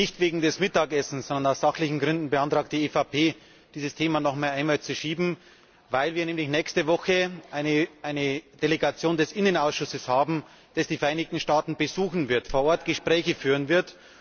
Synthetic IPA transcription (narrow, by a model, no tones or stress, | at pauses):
nɪçtveːɡŋ̩dɛsmɪtaːkɛsn̩sɔndɐnaʊsz̥axlɪçn̩ɡʁʏndn̩bəantʁ̥aːk̚td̥iːeːfapʰeː | d̥iːzəstʰeːmanɔχmaːlʔaɪnmaːlt͡suʃiːbm̩ | vaɪlviːɐnɛːmlɪçnɛːçstəvɔxəʔaɪnəʔaɪnəd̥eleɡat͡sjoːndɛsʔɪnənaʊsʃʊsəshaːbm̩ | d̥asd̥iːfɛɐʔaɪnɪç̚tn̩ʃtaːtn̩bəzuːxn̩vɪɐtfoːɐʔɔɐtɡ̥əʃpʁ̥ɛːçəfyːʁənvɪɐt